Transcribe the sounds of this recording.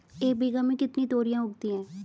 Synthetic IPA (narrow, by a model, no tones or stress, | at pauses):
eːbʱiːɡəmĩkɪt̪nĩːt̪oːɾijãːʊɡd̪ĩːɛ̃ː